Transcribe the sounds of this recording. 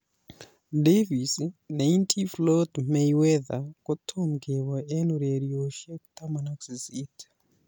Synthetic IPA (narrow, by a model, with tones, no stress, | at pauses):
devisne˨i˦ntʰi˦flo˦tme˨iwe˦ða̰ko˦tʰomɡeβwa˨e˦nu˨ɾeɾjoʃe˦ku̥t̪a˦manaku̥si˨si˦t